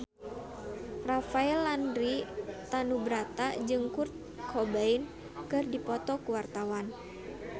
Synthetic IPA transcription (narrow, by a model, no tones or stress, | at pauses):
rafaɛlandɾit̪anubɾat̪ad͡ʒɨŋkurt̪̚ | kʰɔbain | kɨrdipɔt̪ɔkuwart̪awan